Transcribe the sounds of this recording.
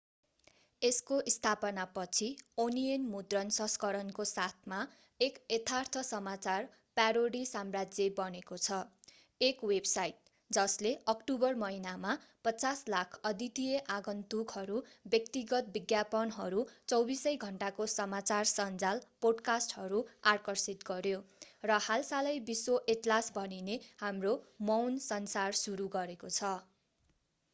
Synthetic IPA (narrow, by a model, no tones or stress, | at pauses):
eskoʔist̪ʰapʌnapʌt͡sʰionienmud̪rʌnsʌ̃skʌɾʌnkosat̪ʰma | eket̪ʰart̪ʰʌsʌmat͡sar | pjaɾoɽisamrad͡zjebʌnekot͡sʰʌ | ekwebsajʈ̚ | d͡zʌsleʔʌkʈubʌrmʌinamapʌt͡saslakʰʌd̪it̪ijeʔaɡʌnt̪ukɦʌɾubjʌkt̪iɡʌt̪̚biɡjapʌnɦʌɾut͡sʌwbisʌjɡʱʌɳʈakosʌmat͡sarsʌnd͡zalpoɖkasʈhʌɾuarkʌrsit̪ɡʌɾjorʌhalsalʌjbiswoʔeʈlasbʱʌninehamromʌwnsʌnsarsuɾuɡʌɾekot͡sʰʌ